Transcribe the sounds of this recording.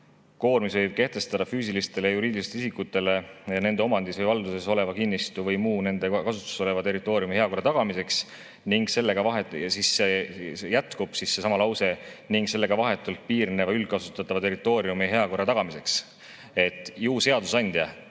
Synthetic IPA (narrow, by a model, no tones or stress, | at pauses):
ko̞ːrmisvɤjb̥̚ke̞ht̪e̞st̪ɑd̪̥ɑfyːsilist̪e̞lejuɾiːd̪ilist̪isikːut̪ːˑe̞le̞ne̞ne̞o̞mɑnd̪isvɤjvɑld̪use̞so̞le̞vɑkinːist̪uvɤjmuːne̞nd̪̥e̞kɑsut̪ːˑu̥so̞le̞vɑt̪e̞rˑit̪ːˑo̞ːɾiumihe̞ɑko̞rːɑt̪ɑɡ̥ɑmise̞ks | niŋɡse̞lːe̞ɡ̥ɑvɑɦesisːejæt̪kub̥sisːe̞sɑmɑlɑwse̞niŋɡse̞lːe̞ɡ̥ɑvɑɦe̞t̪ːˑult̪̚piːrne̞vɑyl̥̚kɑsu̥t̪ːˑɑt̪ːˑɑvɑt̪e̞ɾit̪ːˑo̞ːɾiumiɦe̞ɑko̞rːɑt̪ɑɡ̥ɑmise̞ks | e̞t̪ːˑiuːse̞ɑd̪̥usɑnʲd̪̥jɑ